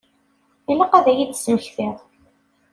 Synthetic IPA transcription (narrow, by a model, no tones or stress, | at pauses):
ilæqæðæjid̪sməçθiʁ